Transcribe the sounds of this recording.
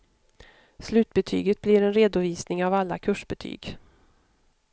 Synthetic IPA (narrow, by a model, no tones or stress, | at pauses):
slʉ̟ːt̪̚bɛt̪ʰy̰ːɡət̪̚blɪɾɛnɾeːd̪ʊviːsnɪŋavalːa̰kʰɵʂbɛt̪ʰy̰ːɡ